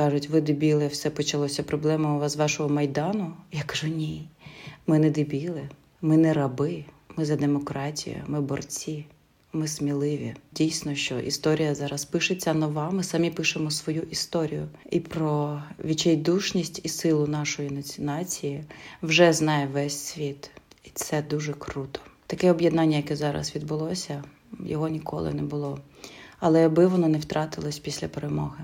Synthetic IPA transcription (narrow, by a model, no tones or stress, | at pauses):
kɑʒʊtʲʋɪd̪ɪbʲilˠɪwsɛpɔt͡ʃɐlˠɔsʲɐpɾɔblˠɛmɔʋzʋɑʃɔɦɔmɐjd̪ɑnʊjakɐ̥ʒunʲi | mɪnɛd̪ɪbʲilˠɪ | mɪnɛɾɐbɪ | mɪzɐd̪emɔkɾɑtʲḭjʊ̰mɪbɔrt͡sʲi | mɪsmʲilˠɪʋʲḭdʲijsʲnɔʃt͡ʃɔʔḭst̪ɔɾʲijɐzɑɾɐspɪʃet͡sʲːɐnɔʋɑmɪsɑmʲipɪʃemɔsʋɔjuʔist̪ɔɾʲḭjʊipɾɔʋʲit͡ʃɛjd̪uʃnʲisʲtʲisɪlˠʊnɑʃɔjinɐt͡sʲɪnɑt͡sʲijiwʒɛznɑjɛʋɛsʲsʲʋʲit̪it̪sɛd̪uʒɛkɾut̪ʰɔ̥t̪ɐkɛɔbjɛd̪nɑnʲːɐjɐkɛzɑɾɐ̰sʋʲid̪̚bʊlˠɔsʲɐ | jɔ̰ɦɔnʲikʰɔ̰lˠɪ̰nɛbʊlˠɔ | ɐlˠɛjɐbɪʋɔnɔnɛwt̪ɾɑt̪ɪlˠɔsʲpʲisʲlʲɐpeɾemɔɦɪ